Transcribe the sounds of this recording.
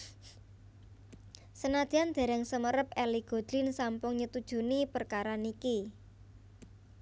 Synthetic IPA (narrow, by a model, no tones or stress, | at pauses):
sənad̪̥i̤and̪̥e̤ɾɛŋsəməɾəp̚ɛliɡ̥o̤d̪̥ɾɪnsampʊŋɲət̪ud̥ʒ̥ṳnipərkaɾaniki